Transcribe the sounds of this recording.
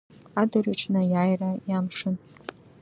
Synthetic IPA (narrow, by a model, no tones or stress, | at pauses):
adariʈ͡ʂʰʼnajaːjrajamʂɨn